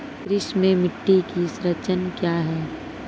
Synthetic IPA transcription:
kɾɪʃmẽmɪʈːikisɾət͡ʃənkjaːɦɛː

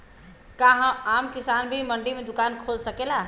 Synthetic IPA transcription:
kaɦə̃amkisanbʱiməɳɖimed̪ʊkankʰolsəkela

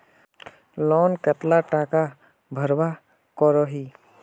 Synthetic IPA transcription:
lɔːnkət̪laʈaka | bʱəɾba | kɔɾɔɦiː

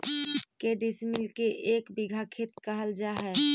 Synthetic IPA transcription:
keɖismilkeʔeːkbɪɡʱakʰet̪kəɦəld͡ʒaːɦɛː

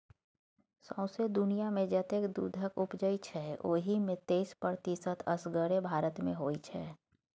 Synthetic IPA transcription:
sɔ̃ʊ̃sed̪ʊnijamẽd͡ʒət̪eːkd̪ṵːd̪ʱəkʊpd͡ʒəit͡ʃʰɛo̰ːɦimɪ̃t̪eːspəɾt̪isət̪ʰəsɡəɾebʱaːɾət̪mḛ̃ɦoːit͡ʃʰɛː

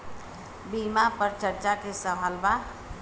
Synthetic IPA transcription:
bimapəɾt͡ʃəɾt͡ʃakesəʋʱalba

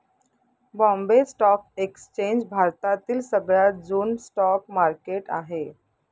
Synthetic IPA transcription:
bɔ̃mbesʈɔk̚ekst͡ɕeɲd͡ʑbʱaɾt̪at̪iːlsəɡɭjad͡zuːnsʈɔkmaɾkeʈa̰ɦe

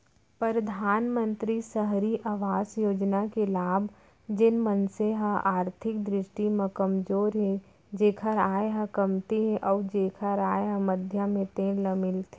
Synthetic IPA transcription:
pɾəd̪ʱaːnmə̃nt̪ɾisəɦɾiʔaʋaːsjoːd͡ʒnakelaːb | d͡ʒɪnmənseɦə̃aːɾt̪ʰɪk̚d̪ɾɪʃʈimẽkɐmd͡ʒoːɾɦɛ | d͡ʒeːkʰəɾaːeɦə̃kɐmt̪eɦɛʔɔːd͡ʒeːkʰəɾaːeɦə̃məd̪ʱjamẽt̪ẽːləmɪlt̪ʰe

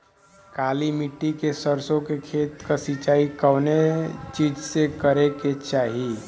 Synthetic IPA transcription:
kaːlimiʈːikesəɾsõkekʰeːt̪kasɪt͡ʃaːikəːnet͡ʃiːd͡ʒsekəɾeket͡ʃaːɦi

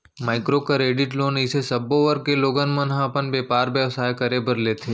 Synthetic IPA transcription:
maːɪkɾokaɾeːɖɪʈloːnɪsesɐbːoʋəɾɡ̚keloːɡənmɐnɦãɐpənbeːpaːɾbjəʋsaːjkɐɾebəɾleːt̪ʰeː

